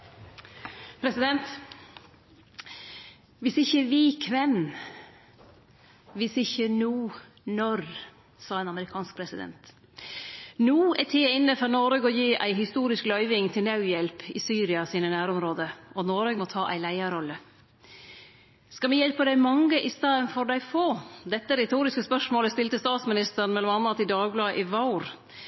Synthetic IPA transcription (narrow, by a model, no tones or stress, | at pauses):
pʰɾɛsɪd̪ɛnt̪ | ʋɪsɪçəʋɪkʰʋɛn | ʋɪsɪçənuː | nɔɾ | sɑːeːnɑməɾɪkʰɑːnsk̚pʰɾɛsɪd̪ɛ̰nt̪ | nuːɛt̪ʰeːɪnːəfɔɾnɔːɾeɡɔjiːʔæ̰ɪɦɪst̪uːɾɪsklœʏʋɪŋt̪ʰɪlnɑʉjɛlpɪsyːɾɪɑsiːnənæːɾɔmɾoːd̪əɔnoːɾøɡmɔt̪ʰɑːʔæ̰ɪlæɪɑɾɔlːə | skɑmɪjɛlpəd̪æɪmɑŋːəʔɪst̪ɑːənfɔɾɖ̪æɪfoːd̪ɛt̪ːəɾɛt̪ʰuːɾɪskəspœʂmoːləst̪ɪlt̪əst̪ɑːt̪smɪnɪst̪əɾnmɛlɔmɑnːɑt̪ɪd̪ɑːɡblɑːʔɪʋɑʊɾ